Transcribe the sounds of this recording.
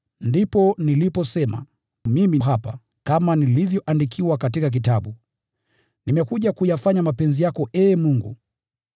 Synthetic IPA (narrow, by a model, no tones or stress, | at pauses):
ndipɔnilipɔsɛma̰ | mimiɦapa̰ | kamanilivjɔʔandikʰiwakatikak̬itaɓu | nimɛkuʄakujafaɲamapɛnzijakɔʔɛːmuŋɡṵ